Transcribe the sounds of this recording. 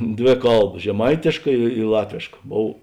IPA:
ˈdʲʋʲeː ˈkɐlˠbɐ ʒʲɛˈmɐɪtʲeːʃkɐ ɪ ˈlˠɑːtʲʋʲeːʃkɐ ˈboːw

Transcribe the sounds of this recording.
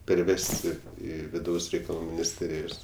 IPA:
pʲɛrʲˈʋʲæːsʲtʲɪ ˈiː ʋʲɪˈdɐʊs rʲɛɪkɐˈlˠuː mʲɪnʲɪsʲˈtʲeːrʲɪjoːs

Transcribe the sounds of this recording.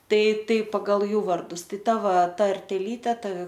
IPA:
ˈtɐɪ ˈtɐɪ pɐɡɐlˠ ˈjuː ʋɐrdʊs ˈtɐɪ ˈtɐ ˈʋɐ tɐrʲtʲɛˈlʲiːtʲɛ ˈtɐ

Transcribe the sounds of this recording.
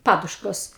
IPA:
ˈpɑːdʊʃkoːs

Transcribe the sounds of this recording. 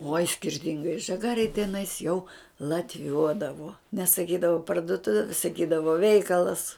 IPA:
oːj sʲkʲɪrʲˈtʲɪŋɡɐɪ ʒɐˈɡɑːrʲeːj tʲɛˈnɐɪs jɛʊ lˠɐtʲˈʋʲuɔdɐʋoː nʲɛsɐˈkʲiːdɐʋoː pɐrdʊˈtʊʋʲeː sɐˈkʲiːdɐʋoː ˈʋʲɛɪkɐlˠɐs

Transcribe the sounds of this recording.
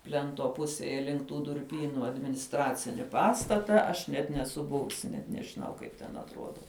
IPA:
ˈpʲlʲɛntoː ˈpʊsʲeːjɛ lʲɪŋk tuː dʊrʲˈpʲiːnʊ ɐdʲmʲɪnʲɪsˈtrɑːt͡sʲɪnʲɪ ˈpɑːstɐtɐ ɐʃ ˈnʲɛt nʲɛˈsʊ ˈbʊʋʊsʲɪ nʲɛt nʲɛʒʲɪˈnɐʊ ˈkɐɪp tʲɛn ɐtˈruɔdɐ

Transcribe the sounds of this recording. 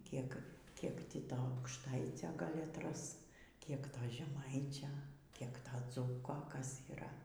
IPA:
ˈkʲiɛk ˈkʲiɛk ˈtʲiː ˈtoː ɐʊkʃˈtɐɪt͡sʲoː ˈɡɐlʲ ɐtˈrɐs ˈkʲiɛk ˈtoː ʒʲɛˈmɐɪt͡ʃʲoː ˈkʲiɛk ˈtoː ˈd͡zuːkoː ˈkɐs iːˈrɐ

